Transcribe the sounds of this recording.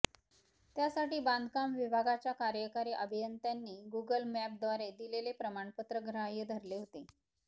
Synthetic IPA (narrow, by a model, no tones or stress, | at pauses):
t̪jasaʈiːband̪ʱkamʋibʱaɡat͡ɕjakaɾjəkaɾiʔəbʱijənt̪janːiːɡuɡəlmæp̚d̪ʋaɾed̪ilelepɾəmaɳpət̪ɾəɡɾajəd̪ʱəɾleɦot̪e